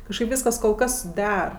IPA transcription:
kɐʃˈkɐɪp ˈʋʲiːskɐs koːlˠ ˈkɐs ˈdʲɛr

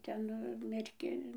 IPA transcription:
ˈtʲɛn mʲɛrʲˈkʲɪn

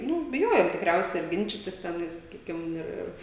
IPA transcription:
ˈnʊ bʲɪˈjoːjoːm tʲɪkˈrʲɛʊsʲɛ ɐr ˈɡʲɪnʲt͡ʃʲɪtʲɪs tʲɛˈnɐɪs sɐˈkʲiːkʲɪm ˈɪr ˈɪr

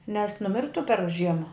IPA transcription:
nʲɛs nʊˈmʲɪrtʊ pʲɛr ˈʒʲiɛmɐ

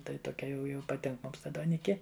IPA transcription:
ˈtɐɪ toːˈkʲɛ jɛʊ jɛʊ pɐˈtʲɪŋk ˈmʊms ˈtɐ duɔˈnʲɪkʲɪ

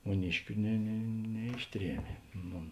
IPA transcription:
mʊˈnʲɪʃʲkʲʊ nʲɛ nʲɛ nʲɛˈɪʃʲˌtʲrʲiɛmʲeː ˈnʊ

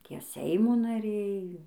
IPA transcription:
ˈtʲiɛ ˈsʲɛɪmoː nɐˈrʲɛɪ

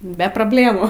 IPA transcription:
bʲɛ proːbʲˈlʲeːmuː

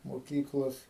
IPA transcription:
moːˈkʲiːklˠoːs

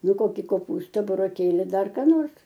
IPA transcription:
ˈnʊ ˈkoːkʲɪ koːˈpuːstɐ bʊroːˈkʲeːlʲɪ ˈdɐr kɑː ˈnoːrs

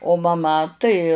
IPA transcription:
oː mɐˈmɐ tɐɪ

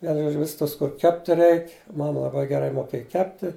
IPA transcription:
ˈʋʲiɛnʊ ˈʒoːd͡ʒʲʊ ˈʋʲɪs ˈtɐs kʊr ˈkʲæːpʲtʲɪ ˈrʲɛɪkʲ ˈmɑːmɐ lˠɐˈbɐɪ ɡʲɛˈrɐɪ moːˈkʲeːjɛ ˈkʲæːpʲtʲɪ

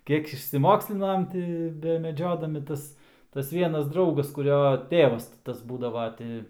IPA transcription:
ˈkʲiɛk ɪʃʲsʲɪˈmoːksʲlʲɪnɐm ˈtʲɪ bʲɛmʲɛˈd͡ʒʲoːdɐmʲɪ ˈtɐs tɐs ˈʋʲiɛnɐs ˈdrɐʊɡɐs kʊˈrʲoː ˈtʲeːʋɐs tʲɪ ˈtɐs ˈbuːdɐʋɐ ˈtʲɪ

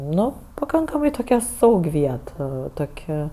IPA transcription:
ˈnʊ pɐˈkɐŋkɐmɐɪ toːˈkʲɛ ˈsɐʊkʲ ˈʋʲiɛt ɐ ˈtoːkʲ

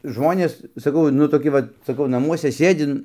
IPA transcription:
ˈʒmoːnʲeːs sɐˈkɐʊ nʊ toːˈkʲɪ ʋɐt sɐˈkɐʊ nɐˈmuɔsʲɛ ˈsʲeːdʲɪ

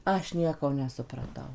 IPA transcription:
ˈɐʃ ˈnʲiɛkoː nʲɛsʊprɐˈtɐʊ

